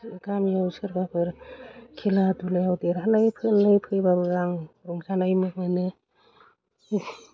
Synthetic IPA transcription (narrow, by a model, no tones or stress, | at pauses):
ɡamjawsɯɾɡapʰɯɾkʰeladulajawdeɾalajpʰɯlɯjpʰɯjbabɯɡaŋɾuŋzanajmɯk̚mɯnɯ